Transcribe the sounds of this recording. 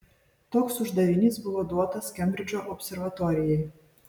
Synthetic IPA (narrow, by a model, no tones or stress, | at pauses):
t̪oːksʊʒd̪ɐʋʲɪnʲiːˑsbʊʋoːd̪uɔt̪ɐskʲɛmʲbʲɾʲɪd͡ʒʲoʔɔpʲsʲɛɾʋɐt̪ɔɾʲɪjɛɪ